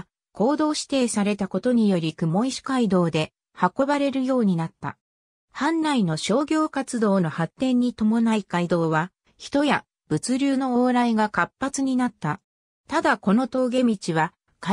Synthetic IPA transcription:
ko̞ːd̪o̞ːɕi̥t̪e̞ːsaɾe̞t̪ako̞t̪o̞ɲ̟ijo̞ɾʲikɯ̟mo̞iɕi̥kaid̪o̞ːd̪e̞ | hako̞baɾe̞ɾɯ̟jo̞ːɲ̟inat̪ːa̰ | hãnɾaino̞ɕo̞ːɡʲo̞ːkat͡sɨd̪o̞ːno̞hat̪ːẽ̞ɲ̟ːit̪o̞mo̞naikaid̪o̞ːβa | çi̥t̪o̞ja | b̥ɯ̟t͡sɨɾʲɨːno̞oːɾaiɡakapːat͡sɨɲ̟inat̪ːa | t̪ad̪ako̞no̞t̪o̞ːɡe̞mʲit͡ɕiβa | ka

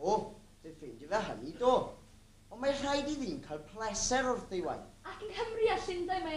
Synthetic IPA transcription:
o | deθendəðaɦə̰nidoː | ɔnmar̥ajdiðiːnkʰajlˠpʰlˠɛsɛɾɔrθejwa̰jθakənhəmriasɪndajma

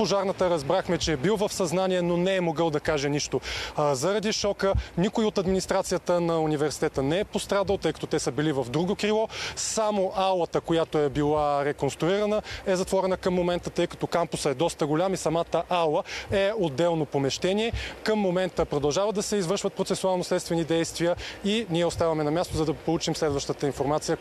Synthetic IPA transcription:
poʒaɾnət̪əɾɐzbɾaxmɛt͡ʃɛɛbilˠvɐfsɐznanʲiɛnonɛɛmoɡəlˠd̪ɐkaʒɛniʃt̪ozɐɾɐd̪iʃɔkənikoiot̪ɐd̪minist̪ɾat̪sijət̪ənɐunivɛɾsi̥t̪ɛt̪ənɛɛpost̪ɾad̪əlˠt̪ɤjkɐ̥t̪ot̪ɛsəbilivɐfd̪ɾuɡokɾilˠɔsamoʔalˠət̪əkojat̪oɛbilˠaɾɛkonst̪ɾuiɾɐnəɛzɐt̪vɔɾɛnəkəmːomɛnt̪ət̪ɤjkɐ̥t̪ɔkampʊsəɛd̪ɔst̪əɡolʲamisɐmat̪əʔalˠəɛod̪ːɛlˠnopomɛʃt̪ɛniɛkəmːomɛnt̪əpɾod̪ɐlˠʒavəd̪ɐsɛizvəɾʃvət̪̚pɾot̪sɛsualˠnoslɛt̪st̪vɛnid̪ɛjst̪vijəiniɛost̪avɐmɛnɐmʲjast̪ozɐd̪ɐpolˠut͡ʃimslɛd̪vɐʃt̪ət̪əinfoɾmat̪sijə

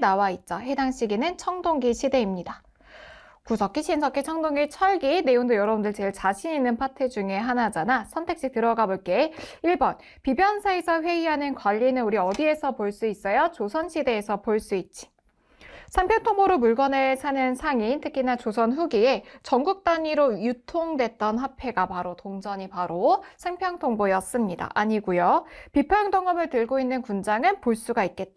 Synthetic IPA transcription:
nawait̚t͡ɕ͈ʌhe̞daŋɕ͈ʰiɡinɯnt͡ɕʰʌŋdoŋɡiɕʰide̞imɲida | kusʰʌk͈iɕʰinsʰʌk͈ʰːet͡ɕʰʌŋdoŋit͡ɕʰʌɭɡine̞joŋdɯjʌɾʌbundɯɭt͡ɕe̞ɭt͡ɕaɕʰiɲinːɯnpʰatʰed͡ʑuŋe̞ɦanad͡ʑanasʰʌntʰek̚ɕ͈ik̚tɯɾʌɡaboɭk͈e̞iɭbʌn | pibjʌnsʰae̞sʰʌɸwe̞iɦanɯnkwaʎːinɯnuɾiʌdie̞sʰʌpoɭs͈uis͈ʌjʌt͡ɕosʰʌnɕʰide̞ːsʰʌpoɭs͈uit̚t͡ɕ͈i̥ | sʰampʰjʌŋtʰoŋboɾomuɭɡʌnesʰanɯnsʰaŋintʰɯkʰinat͡ɕosʰʌnɸuɡiet͡ɕʌŋɡuk̚t͈aɲiɾojutʰoŋdwe̞t̚t͈ʌnhapʰe̞ɡapaɾotoŋd͡ʑʌɲipaɾosʰaŋpʰjʌŋtʰoŋbojʌs͈ɯmɲida̰ʔaɲiɡujopipʰaŋdʌŋʌmɯɭtɯɭɡoinːɯnkund͡ʑaŋɯnpoɭs͈uɡait̚k͈e̞t̚t͈a

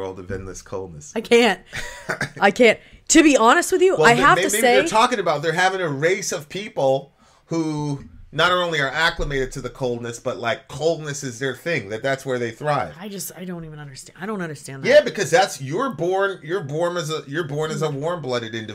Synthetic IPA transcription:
ɜ̰˞lˠdʌvɨ̰̃nðɪskʰoʊlˠd̚ⁿnɨsaɪkʰæ̃nt̚ | aɪkʰæ̃n̚tʰɨbiɑñɨst̚wɨðjɨʔwɛaɪɦæfmeɪtɨsieɪə˞tʰɔkɪ̃ŋɨbaʊt̪̚ðə˞ɦævɪ̃ŋɨɹeɪsʌv̥pʰipl̩ˠ | hunəɾõʊ̃nliə˞ækləmeɪɾɨd̚tʰɨðɨkʰoʊlˠdⁿnɨsb̥ʌtˡlaɪkʰːoʊlˠdⁿnɨsɨzðə˞θɪ̃ŋðɨt̪̚ðætswə˞ðeɪθɹaɪv̥aɪd͡ʒʌstaɪdõʊ̃ntivɨ̃nʌ̃ndə˞staɪɾõʊ̃ntʌ̃ndə˞stæ̃njæbɨkʰʌzðætsjə˞bɔɹnjə˞bɔɹnɨzəjə˞bɔɹnɨzəwɔɹmblʌɾɨɾɪ̃ntɨ

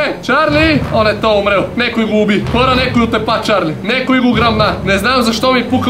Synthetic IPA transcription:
t͡ʃaɾnionjet̪oːumɾeonekoimuubipoɾanekojut̪epat͡ʃaɾninekoiɡuɡɾamnaneznaːmzaʃt̪omipuk

